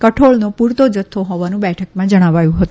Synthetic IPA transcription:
kəʈʰoɭnopuɾt̪od͡ʒət̪ʰːoɦoʋanũbɛʈʰəkmãd͡ʒəɽ̃aʋajũɦət̪ũ

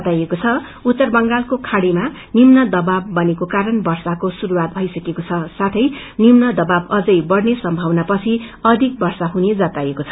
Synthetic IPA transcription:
t̪ajekot͡sʰʌ | ut̪ːʌrbʌŋɡalkokʰaɽima | nimnʌd̪ʌbabːʌnekokaɾʌnbʌrsakosuɾuwat̪̚bʱʌjsʌkekot͡sʰʌsat̪ʰʌj | nimnʌd̪ʌbabʌd͡zʌjbʌɽnesʌmbʱʌwnapʌt͡sʰiʌd̪ʱik̚bʌrsaɦuned͡zʌt̪ajekot͡sʰʌ

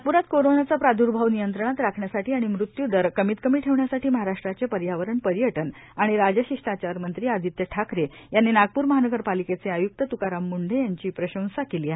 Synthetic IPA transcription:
puɾat̪koɾonat͡sapɾad̪ʱuɾbʱaʋnijənt̪ɾəɳ̃at̪ɾakʰɳjasaʈiːaɽ̃imɾut̪jud̪əɾkəmiːt̪kəmiːʈʰeʋɳjasaʈʰiːməɦaɾaʂʈɾat͡sepəɾjaʋəɾəɳpəɾjəʈən | aɽ̃iɾad͡ʑəɕiʂʈat͡ɕaɾmənt̪ɾiːad̪ʱit̪jəʈʰakɾe | janːenaɡ̚puːɾməɦanəɡəɾpaliket͡seajuk̚t̪ət̪ukaɾamːuɳɖʱejaɲt͡ɕiːpɾəɕə̃w̃sakeliːaɦe

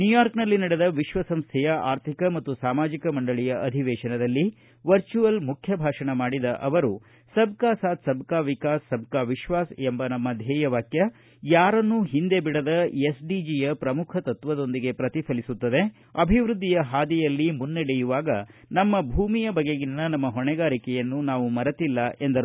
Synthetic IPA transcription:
njujaːɾknɐlːinɐɽed̪ɐʋiʃʋɐsɐmst̪ʰɛjɐʔa̰ːɾt̪ʰikɐmɐt̪ːusaːmaːd͡ʒikɐmɐɳɖɐɭijɐʔɐd̪ʱiʋɛːʃɐnɐd̪ɐlːi | ʋɐɾt͡ʃuʋɐlmukʰjɐbʱaːʂɐɳɐmaːɽid̪ɐʔɐʋɐɾu | sɐb̚kaːsaːt̪sɐbkaːʋikaːsːɐb̚ʱkaːʋiʃʋaːsembɐnɐmːɐd̪ʱɛːjɐʋaːkjɐ | jaːɾɐnːuɦind̪e̞biɽɐd̪ɐjesɖid͡ʒijɐpɾɐmukʰɐt̪ɐt̪ʋɐd̪o̞nd̪iɡe̞pɾɐt̪ipʰɐlisut̪ːɐd̪e̞ | ɐbʱiʋɾud̪ːijɐɦaːd̪ijɐlːimunːɛɽɛjuʋaːɡɐnɐmːɐbʱuːmijɐbɐɡeɡinːɐnɐmːɐɦɔɳɛɡaːɾikɛjɐnːunaːʋumɐɾɐt̪ilːɐʔe̞nd̪ɐɾ

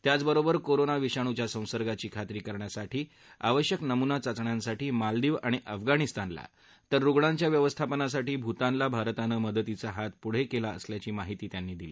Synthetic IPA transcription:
t̪jat͡sbəɾobəɾkoɾonaʋiɕaɽ̃ut͡ɕjasə̃w̃səɾɡat͡ɕiːkʰat̪ɾiːkəɾɳjasaʈʰiː | a̰ʋəɕjəknəmunat͡sat͡sɳjãnsaʈiːmald̪iːʋaɽ̃iʔəfɡaɽ̃ist̪anla̰ | t̪əɾːuɡɭãɲt͡ɕjaʋjəʋəst̪ʰapənas̬aʈiːbʱut̪ãnlabʱaɾt̪anəːməd̪ət̪it͡saɦat̪̚puɽ̤ekelaə̰sljat͡ɕiːmaɦit̪iːt̪janːiːd̪iliː

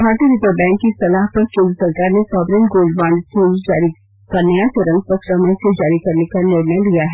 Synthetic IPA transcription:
bʱaːɾt̪iɾɪzəɾbɛ̃ːŋkːisɐlaːɦpɐɾkẽːnd̪əsɐɾkaːɾnesɔːbɾiːnɡoːlɖbãːɳɖskend͡ʒaːɾi | kanəjat͡ʃɐɾə̃nɡsɐkɾəmənsed͡ʒaːɾikɐɾnekanɪɾnə̃nlijaɦɛː

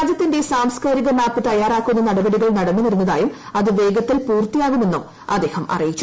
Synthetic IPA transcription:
aːd͡ʑjɐt̪ːinde̞saːmskaːɾiɣɐmaːpːɨt̪ɐjaːraːkːunːɐnɐɽɐbɐɽiɣɐɭnɐɽɐnːuniɾunːɐðaːjumɐðɨʋe̞ːɡɐt̪ːilpuːrt̪ːijaːɣumːenːum | ɐd̪ːe̞ːhɐmʔɐ̰rijit͡ɕːu

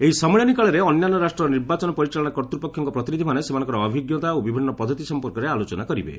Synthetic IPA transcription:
eɦisɔmɔɭjanikaɭɔɾeɔnjanːɔɾasʈɾɔniɾbat͡ʃɔnɔpɔɾit͡ʃaɭɔɽ̃akɔɾt̪ɾupɔkʰjɔŋkɔpɾɔt̪inid̪ʱimanesemanɔ̃ŋkɔɾɔːbʱiɡjɔt̪aobibʱinːɔpɔd̪ʱːɔt̪isɔmpɔɾkɔɾealot͡ʃɔnakɔɾḭbḛ

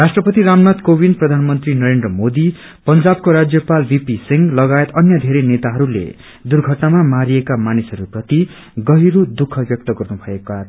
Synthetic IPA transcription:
rasʈrʌpʌt̪iɾamnat̪kobinprʌd̪ʱanmʌnt̪rinʌɾendrʌmod̪i | pʌnd͡zab̚koɾad͡zjʌpalbipisiŋɡlʌɡaet̪ʌnjʌd̪ʱeɾenet̪aɦʌɾulḛ | d̪urɡʱʌʈnamamaɾijekamanisʌɾuprʌt̪i | ɡʌɦiɾud̪ukʰːʌbjʌk̚t̪ʌɡʌrnubʱʌekat̪

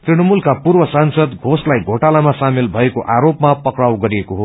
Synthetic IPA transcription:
t̪riɽ̃ʌmulkapurbʌsansʌd̪ɡʱoslajɡʱoʈalamasamilbʱʌekoʔaɾopmapʌkrawɡʌɾiekoɦo

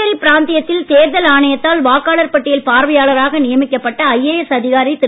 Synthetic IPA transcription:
ɐɾipɪɾaːnt̪ɪjɐt̪ːɪlt̪eːɾðɐlaːɳɐjɐt̪ːaːlʋaːkːaːɭɐɾpɐʈːɪjɪlpaːɾʋɐjaːɭɐɾaːɣɐnɪjɐmɪkːɐpːɐʈːɐɐjeːjɛsɐðɪɣaːɾɪt̪ːɪ

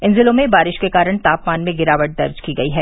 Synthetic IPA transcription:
ɪ̃nzɪlõmẽbaːɾɪʃkekaːɾəɽ̃t̪aːpmaːnmẽɡɪɾaːʋəʈ̚d̪ɐɾd͡ʒkiɡɐiɦɛː

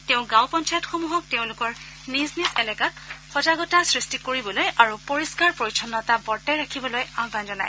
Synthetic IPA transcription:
teʊ̃ɡãʊ̃pɔnt͡ʃajɔtxomuɦɔk̚teʊ̃lʊkɔɹ | niznizɛlɛkat̚xɔzaɡɔtasɹistikoɹibɔlojʔaɹupoɹiskaɹpɹoɹisʰɔnːɔtabɔɹtɛjɹakʰibɔlojabʱanzɔna̰j

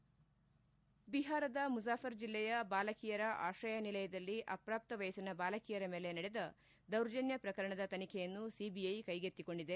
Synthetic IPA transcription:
biɦaːɾɐd̪ɐmusaːfɐɾd͡ʒilːɛjɐbaːlɐkijɐɾɐʔa̰ːʃɐjɐnilɐjɐd̪ɐlːiʔɐpɾaːp̚t̪ɐʋɐjɐsinɐbaːlɐkijɐɾɐme̞ːle̞nɐɽed̪ɐ | d̪ɐwɾd͡ʒɐnjɐpɾɐkɐɾɐɳɐd̪ɐt̪ɐnikʰejɐnːusibijɐjkɐjɡet̪ːiko̞ɳɖid̪e̞

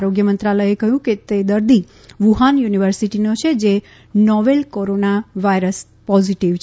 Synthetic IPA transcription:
ɾoɡjəmənt̪ɾaləjekəɦjũket̪ed̪əɾd̪i | ʋuɦanjuniʋəɾsiʈinot͡ʃʰed͡ʒe | nɔʋelkoɾonaʋaiɾəs | pɔziʈiʋt͡ʃʰ

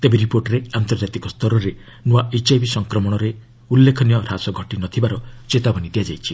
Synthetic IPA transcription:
t̪ebeɾipoɾʈɾeant̪ɔɾd͡ʒat̪ikɔst̪ɔɾɔɾe | nuaʔet͡ʃajbisɔŋkɾɔmɔɽ̃ɔɾe | ulːekʰɔnijɔɾasɔɡʱɔʈinɔt̪ʰibaɾɔt͡ʃet̪abɔnid̪iad͡ʒajt͡ʃʰi

